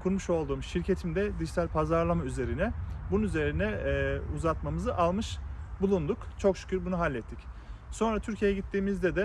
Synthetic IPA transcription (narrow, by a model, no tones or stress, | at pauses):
kʰuɾmuʃo̞lˠd̪uːmʃiɾcʰe̞t̪ʰimd̪ɛd̪iʃsælʲpʰazaɾlˠamayze̞ɾinɛbununyze̞ɾinɛuzat̪mamɯzɯʔalˠmɯʃbulˠund̪ukt͡ʃʰo̞kʃy̥cʰyɾbunuɦalʲːɛt̪ʰːicso̞nɾat̪ʰyɾcʰijejɛɟit̪ʰːiːmizd̪ɛd̪ɛ